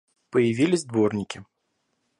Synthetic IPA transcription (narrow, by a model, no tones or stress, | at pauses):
pəjɪvʲilʲɪzʲd̪vɔrnʲɪkʲɪ